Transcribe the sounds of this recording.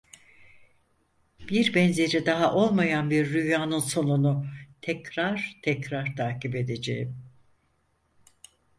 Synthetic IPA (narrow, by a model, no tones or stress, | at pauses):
b̥iɾbɛnze̞ɾid̪aɦaʔo̞lˠmajanbiɾːyjaːnɯnso̞nunut̪ʰɛcɾaɾ̥t̪ʰɛcɾaɾt̪ʰaːcipe̞d̪e̞d͡ʒe̞̰jim